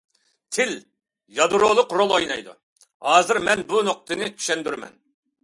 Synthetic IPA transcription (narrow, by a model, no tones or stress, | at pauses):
t̪ʰɪl | jɑd̪ɾolˠʊqɾolˠojnɑjd̪ṵ | hɑːzɨɾmɛnbunoq̚t̪ɨnɪkʲʰy̥ʃɛnd̪yɾmɛ̰n